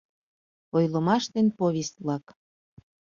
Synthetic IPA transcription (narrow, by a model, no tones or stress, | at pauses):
ojləmɑʃt̪enpoβʲest̪̚βlɑk